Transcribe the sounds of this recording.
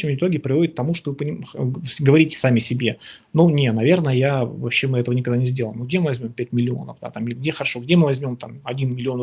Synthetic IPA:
əmɪt̪o̞ɡʲɪpɾʲɪvodɪt̪t̪ːɐmuʂt̪ovɨpəɪɡəvɐɾʲitʲɪ̥samʲɪsʲɪbʲe̞ | nunʲenɐvʲe̞rnəjəjavɐpɕːe̞mɨɛt̪əvənʲɪkɐɡd̪anʲɪzʲdʲe̞lˠəjɪmnoɡ̚dʲemɨvɐzʲmʲo̞mpʲæt̚ʲmʲɪlʲɪo̞̰nə̰fd̪a̰t̪amɪlʲɪɡ̚dʲe̞xəɾɐʂo̞ɡdʲe̞mɨvɐzʲmʲo̞mt̪amɐdʲinmʲɪlʲɪo̞n

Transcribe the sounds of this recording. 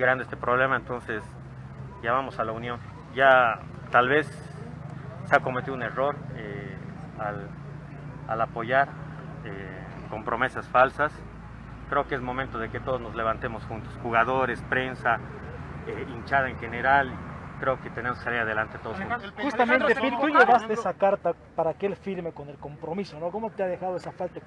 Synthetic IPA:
ɣɾand̪eest̪epɾo̞βle̞maent̪o̞nses | ʝaβamo̞salaunjo̞n | ɟ͡ʝa | t̪alβe̞s | eako̞met̪iðune̞ro̞ɾe | al | a̰lapo̞ʝaɾ | e | ko̞mpɾo̞me̞sasfalsas | kɾe̞okeezmo̞mẽnt̪o̞ðeke̞t̪o̞ð̞o̞zno̞zle̞βant̪e̞mo̞sxunt̪osxuɣaðo̞ɾe̞spɾe̞nsa | eint͡ʃaðaeŋxe̞ne̞ɾalikɾe̞o̞ket̪ene̞moskesaliɾað̞e̞lant̪et̪o̞ðosxut̪osxust̪amẽnt̪epiɾt̪uʝeβast̪eesakaɾt̪a | paɾakeelfiɾme̞ko̞ne̞lko̞mpɾo̞miso̞no̞komo̞t̪eað̞e̞xaðoesafalt̪a

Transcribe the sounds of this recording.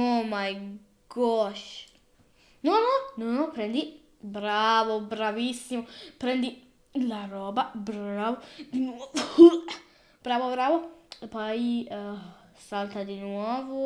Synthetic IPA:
ɔmaj | ɡɔʃ | nõnõnõnõpɾẽnd̪i | bɾavobɾavisimopɾẽnd̪i | larɔbɐbɾavod̪inwɔv | b̥ɾavobɾavopai | salt̪ɐd̪inwɔvo

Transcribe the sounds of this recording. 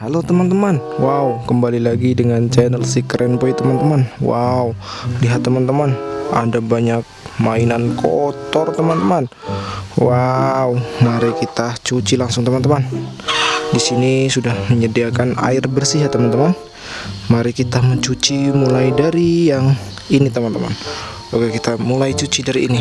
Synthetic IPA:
alot̪əmant̪əmanwaukəmbalilaɡidəŋant͡ʃɛnəlsikɾɛnpoit̪əmant̪əmanwa̰uliɦat̪ːəmant̪əmana̰dabaɲak̚ | mainankʰot̪ɔrt̪əmant̪əman | waumaɾikit̪at͡ʃut͡ʃilaŋsʊŋt̪əmant̪əman | disinisudahməɲədiakana̰ɪrbərsiɦat̪ːəmant̪əman | maɾikit̪aməɲt͡ʃut͡ʃimulajdaɾijaŋ | init̪əmant̪əma̰n | baɡakit̪amulajt͡ʃut͡ʃidaɾḭːni

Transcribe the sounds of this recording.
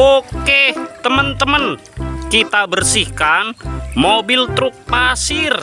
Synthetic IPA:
oket̪əmənt̪əmən | kit̪abərsihkanmobilt̪ɾʊk̚pasɪr

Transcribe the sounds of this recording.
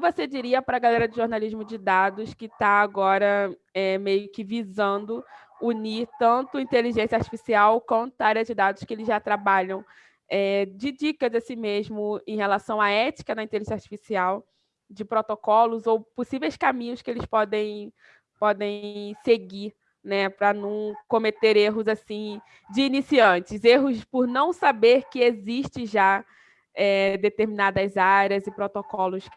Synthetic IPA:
vosed͡ʒiɾiɐpɾɐɡalɛɾɐd͡ʒɪʒoɾnaliʒmʊd͡ʒɪd̪ad̪ʊskɪt̪aːɡɔɾɐɛmejʊkɪvizɐ̃nd̪ʊ | uniɾt̪ɐ̃nt̪ʊĩnt̪eliʒẽsjɐaɾt͡ʃi̥fisiawkwɐ̃nt̪aɾjɐd͡ʒɪd̪ad̪ʊskɪelɪzʒat̪ɾabaʎɐ̃w̃ | ɛd͡ʒɪd͡ʒikɐzasimeʒmʊẽj̃helasɐ̃w̃aɛt͡ʃi̥kɐd̪ɐĩnt̪eliʒẽsaht͡ʃi̥fisiaw | d͡ʒɪpɾot̪okɔlʊzowposivejskamĩɲʊskɪelɪspɔd̪ẽj̃ | pɔd̪ẽj̃seɡiɾ | nɛpɾɐnɐ̃w̃kõmet̪eɾeɦʊzasĩ | d͡ʒɪːnisiɐ̃t͡ʃɪzeɦʊspʊɾnɐ̃w̃sabeɾkɪeziʃt͡ʃɪ̃ʒa | ɛd̪et̪eɾminad̪ɐzaɾjɐzɪpɾot̪okɔlʊs

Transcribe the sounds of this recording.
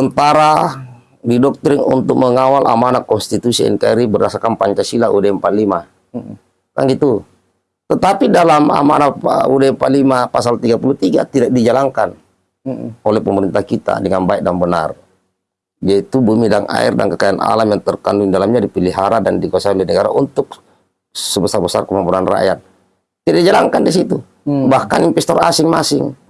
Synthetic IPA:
t̪ənt̪aɾa | didɔk̚t̪ɾiŋṵnt̪ʊk̚məŋawalʔa̰manakɔnst̪it̪usiɛ̰nkaiɾibərɾasakanpaɲt͡ʃasilaʔudɛɛmpalima | ka̰ŋɡit̪u | t̪ət̪apidalama̰ma̰naudɛmpalimapasalt̪iɡapulut̪iɡa̰t̪idak̚did͡ʒalaŋkan | ɔlɛhpəməɾint̪ahkit̪a̰dəŋanbaik̚daŋbəna̰r | d͡ʒait̪ubumidaŋa̰ḭrda̰nkəkajanʔa̰lamjaŋt̪ərkanduŋdalamɲadipiliɦaɾadandikuasaandinəɡaɾa̰ʔunt̪ʊk̚ | səbəsarbəsarkəmampuɾanra̰jat̪̚ | t̪ːidaʔk̚did͡ʒalaŋkandisit̪u | bahkaniɱpɛst̪ɔra̰siŋmasɪŋ

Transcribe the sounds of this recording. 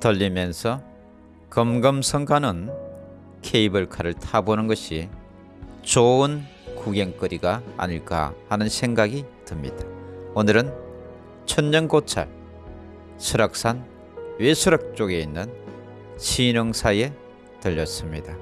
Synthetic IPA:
tʌʎːimjʌnsʰʌ | kʌmɡʌmsʰʌŋkʰanɯn | kʰeibɯɭkʰaɾɯɭtʰabonɯnɡʌɕʰi | t͡ɕoɯn | kuɡeŋk͈ɯɾiɡa̰ːɲiɭk͈a̰hanɯnsʰe̞ŋɡaɡitɯmɲḭd̥aonɯɾɯn | t͡ɕʰʌnɲʌnkot͡ɕʰa̰ɭ | sʰɯɾʌk̚s͈ʰan | wesʰɯɾʌk̚t͡ɕ͈oɡe̞inːɯn | ɕʰinʌŋsʰaje̞ | tɯʎːʌs͈ɯmɲida

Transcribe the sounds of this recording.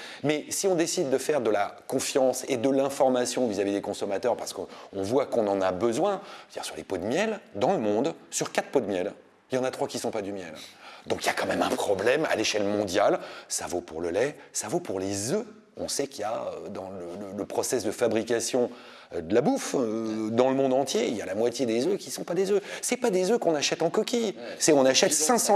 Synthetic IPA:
mɛsiɔ̃d̪esid̪ːəfɛʁd̪əlakɔ̃fjɑ̃sed̪əlɛ̃fɔʁmasjɔ̃vizavid̪ekɔ̃sɔmat̪œʁpaʁsə̥kɔ̃vwakɔ̃nɑ̃nabəzwɛ̃d̥̪iʁsyʁlepod̪əmjɛld̪ɑ̃ləmɔ̃d̪syʁkat̪χpod̪əmjɛl | jɑ̃nat̪χwakʲisɔ̃pad̪ymjɛld̪ɔ̃kijakɑ̃mɛmɛ̰̃pχɔblɛma̰leʃɛlmɔ̃d̪jalsavopuʁləlɛsavopuʁlezø | ɔ̃sɛkija̰ød̪ɑ̃lələləpχɔsɛsd̪əfabʁikasjɔ̃ | d̪əlabufd̪ɑ̃ləmɔ̃d̪ɑ̃t̪jelja̰lamwat̪jed̪ezøkʲisɔ̃pad̪ezøsɛpad̪ezøkɔ̃naʃɛt̪ɑ̃kɔkʲisɛɔ̃naʃɛt̪sɛ̃sɑ̃

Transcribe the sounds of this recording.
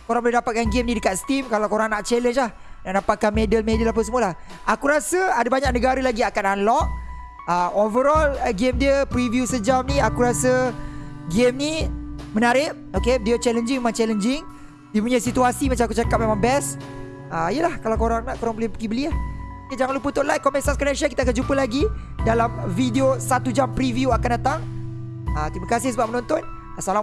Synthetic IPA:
koɾaŋboldapat̪̚kanɡemnidəkat̪̚st̪imkalawkoɾaŋnaʔt͡ʃɛlənt͡ʃlah | naʔdapat̪̚kanmedəlmedəlap̬əs̬əmuəlah | akuɾasəadabaɲak̚nəɡaɾəlaɡiakanalɔʔ | əovəɾɔlɡemdiəpɾivjusəd͡ʒamniakuɾasə | ɡemnimənaɾɪʔ̚okevideot͡ʃɛləɲd͡ʒiŋemãŋt͡ʃɛlənd͡ʒɪŋ | dipuɲasit̪uasimat͡ʃamakut͡ʃakap̚memãŋbɛs | əijəlahkalawkoɾaŋnaʔkoɾaŋbəliapəɡibəliahoked͡ʒaŋanlupət̪ɔʔlaj̚kɔmpɛnsaskɔnɛnsiakit̪akand͡ʒupəlaɡidalamvideosat̪ud͡ʒampɾivjuakandat̪aŋ | ət̪ɾimakasɪhsəbap̚mənɔ̃nt̪ɔn | asala

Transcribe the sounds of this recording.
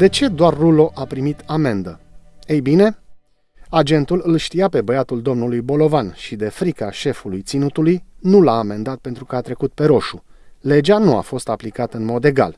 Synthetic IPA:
d̪e̞t͡ʃe̞d̪oarːulo̞ʔapɾimit̪ame̞nd̪əe̞jbine̞ | ad͡ʒe̞nt̪ulɨlʃt̪ijape̞bəjat̪uld̪o̞mnulujbo̞lo̞vanʃid̪e̞fɾikaʃe̞fulujt̪sinut̪ulujnulaːme̞nd̪at̪̚pe̞nt̪ɾukəat̪ɾe̞kut̪̚pe̞ɾo̞ʃule̞d͡ʒanua̰fo̞st̪aplikat̪əɨnmo̞d̪e̞ɡa̰l

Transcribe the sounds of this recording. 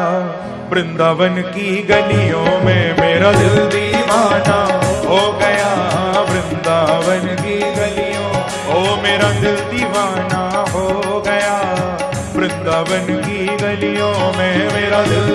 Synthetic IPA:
bɾɪ̃nd̪aːʋənkiɡəlijõmɛ̃meːɾãd̪ɪlt̪iʋaːnaɦoːɡɐjaʋɾɪ̃nd̪aːʋənkiɡɐlijõː | ɦoːmeːɾad̪ɪlt̪iʋaːnaɦo | ɡɐjaː | bɾɪ̃nd̪aːʋənkiɡəlijõmɛ̃meːɾad̪ɪl

